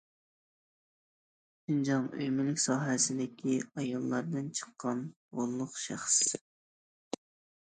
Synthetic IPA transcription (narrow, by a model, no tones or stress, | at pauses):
ʃind͡ʒɑŋøjmɪlɪkʲsɑːɦɛsɪd̪ɪkʲʰiɑjɑlˠːɑɾd̪ɨnt͡ʃʰə̥qʰːɑn | ʁolˠːʊqʃæ̰χs